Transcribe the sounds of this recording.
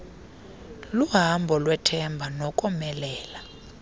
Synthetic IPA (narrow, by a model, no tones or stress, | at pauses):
luɦambʱɔlwɛtʰɛmbʱanɔkʼɔmɛlɛːla